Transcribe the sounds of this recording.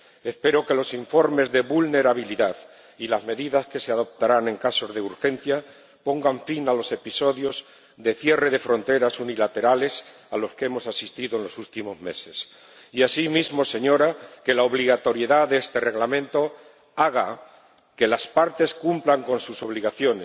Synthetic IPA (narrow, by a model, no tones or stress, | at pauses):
e̞spe̞ɾo̞ke̞lo̞siɱfo̞ɾme̞zðe̞βulne̞ɾaβ̞iliðað | ilazme̞ðiðaske̞seaðo̞p̚t̪aɾanẽ̞ŋkaso̞zðe̞uɾxe̞n̟θja | po̞ŋɡaɱfinalo̞se̞piso̞ðjo̞z | ðe̞θje̞re̞ðe̞fɾo̞nt̪e̞ɾasunilat̪e̞ɾale̞s | alo̞skee̞mo̞sasist̪iðoenlo̞sult̪imo̞zme̞se̞s | iasimizmo̞se̞ɲo̞ɾake̞laoβliɣat̪o̞ɾje̞ðaðeest̪e̞re̞ɣlamẽ̞nt̪o̞ | aɣ̞a | ke̞laspaɾt̪e̞skumplaŋko̞nsuso̞β̞liɣaθjo̞nes